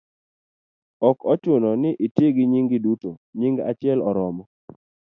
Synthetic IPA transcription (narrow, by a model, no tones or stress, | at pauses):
ɔkɔt͡ʃʊnɔnɪʔitjeɡɪɲiŋɡɪdutoɲiŋɡa̰t͡ʃɪɛlɔɾɔmɔ